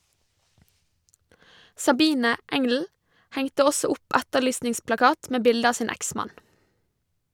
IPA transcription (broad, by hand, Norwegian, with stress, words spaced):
sɑˈbiːnə ˈɛŋl̩ ˈhɛŋtə ˈɔsɔ ˈʊp ˈætəˌɭyːsnɪŋsplɑˌkɑːt ˈmeː ˈbɪldə ˈɑː ˈsiːn ˈæksmɑn